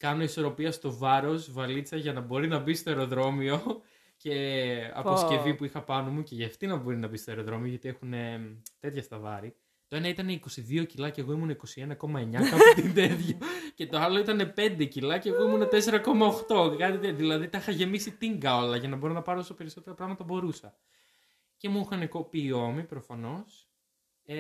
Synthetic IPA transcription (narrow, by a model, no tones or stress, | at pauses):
kɐno̞iso̞ɾo̞piɐst̪o̞vɐɾo̞svɐlit͡sɐʝɐnɐbo̞ɾinɐbist̪o̞eɾo̞ðɾo̞mio̞ | ce̞ɐ̰posce̞vipuixɐpɐnomuce̞ʝɐft̪inɐbo̞ɾinɐbist̪o̞e̞ɾo̞ðɾo̞mio̞ʝɐt̪ie̞xune̞t̪e̞t̪çɐst̪ɐvɐ̰ɾi | t̪oe̞nɐit̪ɐneiko̞siðio̞cilɐceɣo̞imunɐiko̞sienɐko̞mɐe̞ɲɐkɐot̪ind̪et̪çɐce̞t̪oɐlo̞it̪ɐne̞pe̞nd̪e̞cilɐceːɣo̞imunet̪e̞se̞ɾɐko̞mɐoxt̪o̞kɐt̪it̪ðilɐðit̪ixɐʝe̞misit̪iŋɡɐo̞lɐʝɐnɐbo̞ɾonɐpɐɾoosope̞ɾiso̞t̪e̞ɾɐpɾɐɣmɐt̪ɐbo̞ɾusɐ | ce̞muixɐnekopiːo̞mipɾo̞fɐno̞s